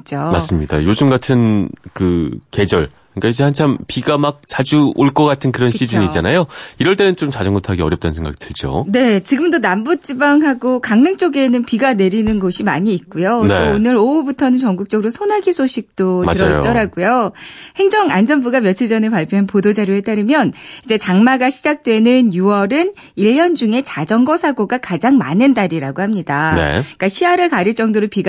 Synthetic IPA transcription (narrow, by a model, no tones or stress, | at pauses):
t͡ɕ͈oma̰s͈ɯmɲida̰jod͡ʑɯmɡatʰɯnkɯke̞d͡ʑʌɭ | ɯɲik͈aid͡ʑehant͡ɕʰampiɡamak̚t͡ɕad͡ʑuoɭk͈ʌk͈atʰɯnkɯɾʌnɕɕ͈ʰid͡ʑɯɲit͡ɕanajoiɾʌɭt͈e̞nɯnt͡ɕomt͡ɕad͡ʑʌŋɡotʰaɡiʌɾjʌpt͈anɯnsʰeŋɡa̰ɡi̥tʰɯɭd͡ʑo̰ne̞t͡ɕiɡɯmdonambut͡ɕ͈ibaŋɦaɡokaŋmeŋt͡ɕ͈oɡe̞nɯnpiɡane̞ɾinɯnɡʌɕʰimaɲiːt̚k͈ujooonɯɾoubutʰʌnɯnt͡ɕʌŋɡuk̚t͡ɕ͈ʌɡɯɾosʰonaɡisʰoɕʰik̚t͈oɯɾʌt͈ʌɾaɡujohe̞ŋd͡ʑʌŋa̰nd͡ʑʌnbuɡamjʌt͡ɕʰiɭd͡ʑʌneɭpaɭpʰjoɦanpodod͡ʑaɾjoɦet͈aɾɯmjʌnid͡ʑe̞t͡ɕaŋmaɡaɕʰid͡ʑak̚t͈we̞nɯnjuwʌɾɯn | iʎːʌnd͡ʑuŋe̞t͡ɕad͡ʑʌŋɡʌsʰaɡoɡakad͡ʑaŋmanɯndaɾiɾaɡohamɲidanḛik͈aɕʰiaɾɯɭkaɾiɭt͡ɕ͈ʌŋdoɾopiɡ